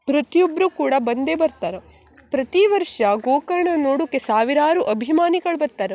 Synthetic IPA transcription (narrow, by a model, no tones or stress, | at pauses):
pɾɐt̪ijobɾukuːɽɐbɐnd̪ebɐɾt̪aːɾɐ | pɾɐt̪iʋɐɾʂɐɡoːkɐɾɐɳɐnoːɽukːesaːʋiɾaːɾuʔɐbʱimaːniɡɐɭbɐɾt̪ːaːɾɐ